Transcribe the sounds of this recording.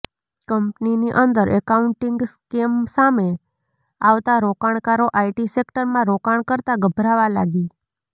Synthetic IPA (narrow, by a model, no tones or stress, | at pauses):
kəmpniniʔənd̪əɾʔɛkauɳʈɪŋɡskemsame | aʋt̪aɾokaɳ̃kaɾoʔaiʈisekʈəɾmãɾokaɳkəɾt̪aɡəbʱɾaʋala̰ɡi